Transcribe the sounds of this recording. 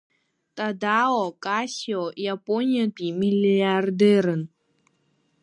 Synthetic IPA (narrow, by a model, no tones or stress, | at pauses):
t̪ʼad̪aɔkasʲiɔjapʼonʲiapʲʼimʲilʲard̪ɛɾən